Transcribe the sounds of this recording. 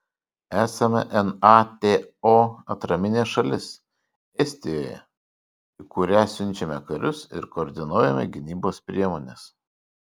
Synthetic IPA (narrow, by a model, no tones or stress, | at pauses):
æːsɐmʲɛ̰ʔɛnɑt̪ʲeːoːɐt̪ɾɐmʲɪnʲeːʃɐlʲɪs | ɛsʲt̪ʲɪjoːjɛ̰ | ikʊɾʲæːsʲʊnʲt͡ʃʲɛmʲɛkɐɾʲʊsɪ̰ɾkɔːɾʲd̪ʲɪnuːjɛmʲɛ̰ɡʲɪnʲiːboːspʲɾʲiɛmoːnʲes